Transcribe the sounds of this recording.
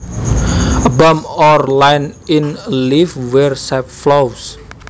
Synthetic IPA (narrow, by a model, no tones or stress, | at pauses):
əbəmɔrlajninlifwɛrsap̚flows